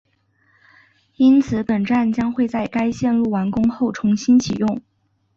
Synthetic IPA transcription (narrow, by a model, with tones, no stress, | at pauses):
i˥nt͡sʰɹ̩˧˥˦pə˨˩nʈ͡ʂa˥˩nt͡ɕjɑ˥ŋxwe˥˧ɪt͡sa˥˩ɪka˥ɪɕjɛ˥˧nɻu˥˩wa˧˥nkʊ˥ŋxo˥˩ʊʈ͡ʂʰʊ˧˥ŋɕi˥nt͡ɕʰi˨˩jʊ˥˩ŋ